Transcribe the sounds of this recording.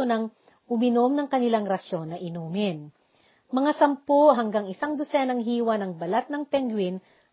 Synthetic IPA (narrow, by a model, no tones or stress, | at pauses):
onɐŋ | ʔʊmɪnomnɐŋkɐnɪlaŋɾɐso̞nːɐʔɪnuːmɪn | mɐŋasɐmpoʔɦɐŋɡaŋɪsaŋd̪osɛnɐŋɦiːwɐnɐŋbɐlat̪̚nɐŋpɛŋɡwɪn